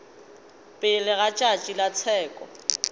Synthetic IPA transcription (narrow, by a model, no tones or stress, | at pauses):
pʼɪlɪɣat͡ʃʼat͡ʃʼilat͡sʰɛːkʼɔ